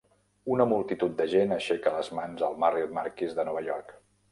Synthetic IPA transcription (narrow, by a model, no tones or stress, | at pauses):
unəmulˠt̪it̪ut̪̚d̪əʒenəʃɛkələzmanzəlˠmarimaɾkizðənɔβ̞əʎɔɾk